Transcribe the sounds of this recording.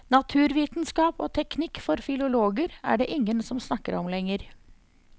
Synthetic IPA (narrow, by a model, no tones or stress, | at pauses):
nɑt̪ʰʉːɾʋiːt̪nskɑːpo̰ːt̪ʰɛknɪkfɔɾfɪlʊloːɡəɾæ̰ːɖeːʔɪŋːənsɔmsnɑkːəɾɔmlɛŋːəɾ